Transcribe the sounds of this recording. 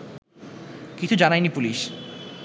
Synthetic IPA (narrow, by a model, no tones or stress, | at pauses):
kit͡ɕʰud͡ʑanajnipuliʃ